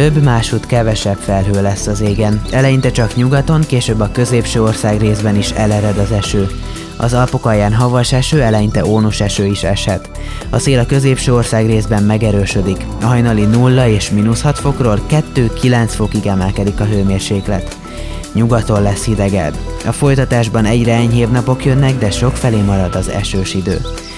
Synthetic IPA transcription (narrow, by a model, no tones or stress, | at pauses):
øbːmaːʃut̪kɛvɛʃɛpfɛlɦøːlɛsːɒzeːɡɛnɛlɛjint̪ɛt͡ʃɒkɲuɡɒt̪o̞ŋkeːʃøːbːɒkø̞zeːpʃøːo̞rsaːɡreːzbɛniʃɛlɛɾɛd̪ɒzɛʃøː | ɒ̰zɒlpokɒjaːnɦɒvɒʃɛʃøːɛlɛjint̪ɛoːnuʃɛʃøːiʃɛʃhɛt̪ | ɒseːlɒkø̞zeːpʃøːo̞rsaːɡreːzbɛmmɛɡɛɾøːʃø̞d̪ik | ɒɦɒjnɒlinulːɒeːʃminushɒt̪fo̞kroːlkɛt̪ːøːkilɛnt̪sfo̞kiɡɛmɛlkɛd̪ikɒɦøːmeːrʃeːklɛ̰t̪ | ɲuɡɒt̪o̞llɛsːid̪ɛɡɛ̰bɒfo̞jt̪ɒt̪aːʒbɒnɛɟrɛɛɲɦeːvnɒpo̞kjø̞nːɛɡd̪ɛʃo̞kfɛleːmɒɾɒd̪ɒzɛ̰ʃøːʃid̪ø̰ː